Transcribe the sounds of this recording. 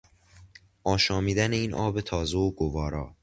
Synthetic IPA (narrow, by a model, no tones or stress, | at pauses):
ʔɒːʃɒːmiːd̪æne̞iːnʔɒːbe̞t̪ʰɒːzeoɡovɒːɾɒː